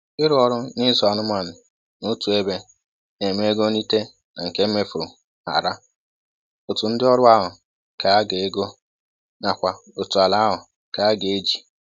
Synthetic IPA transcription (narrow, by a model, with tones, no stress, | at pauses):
ɪ˦ɾʊ˦ɔ˨ɾʊ˦ni˦zɔ˨a˨nʊ˦ma˨n̩˨ | nʊ˦tu˨e˦be˦ | e˨m˦e˦ɡo˦ni˦te˦ | na˨ŋ̩˨ke˦m̩˦me˦fʊ˨ɾʊ̰˨ | a̰˨ɾa˦ | o˨tu˨n̩˦dɪ˦ɔ˦ɾʊ˦a˦ɦʊ˨ | ka˨a˦ɡe˨e˦ɡo˦ | na˨kʷa˨o˨tu˨a˨la˨˦a˦ɦʊ˨ | ka˨a˦ɡe˨e˦d͡ʒi˨